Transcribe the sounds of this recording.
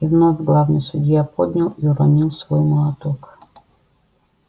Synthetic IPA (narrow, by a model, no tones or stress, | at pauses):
ivnɔvʲɡlˠawnɨjsʊdʲjapɔd̪ʲnʲalˠiʊɾɔnilˠsʋɔjmɔlˠɐt̪ɔk